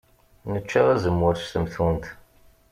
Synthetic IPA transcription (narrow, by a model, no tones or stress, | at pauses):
nət͡ʃːæʁæzəmːʊɾst̪əmθunt̪